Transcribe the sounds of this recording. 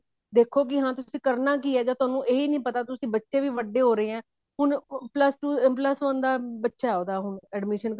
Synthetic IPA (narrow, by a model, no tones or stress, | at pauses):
d̪eːkʰːoːk̬ɪɦãːt̪ʊsĩːkəɾnaːk̬iːɛːd͡ʒãːt̪ʊaːnũːʔeːiːnəĩːpət̪aːt̪ʊsĩːbətːʃẽːʋiːʋəɖeːɦoːɾəeːɛ̃ː | ɦʊɳpləsʈuːpləsʋə̃nd̪aːbətːʃaːɛoːd̪aːɦʊɳɛːɖmɪːʃən